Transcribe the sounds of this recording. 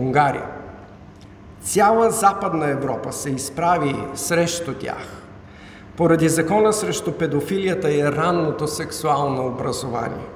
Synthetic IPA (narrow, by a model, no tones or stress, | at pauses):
uŋɡaɾḭə̰ | t̪sʲalˠəzapəd̪nəɛvɾɔpəsɛispɾavisɾɛʃt̪ot̪ʲa̰x | poɾɐd̪izɐkɔnəsɾɛʃt̪ʊpɛd̪ofilijət̪əɛɾanːot̪osɛksualˠnoːbɾɐzova̰nʲḭɛ